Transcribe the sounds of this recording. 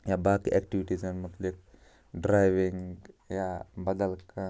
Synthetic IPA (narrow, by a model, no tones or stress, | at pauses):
jabaːkiʔɛkʈiʋiʈizanmut̪lik̚ | ɖɾajʋiŋjabɐd̪əlka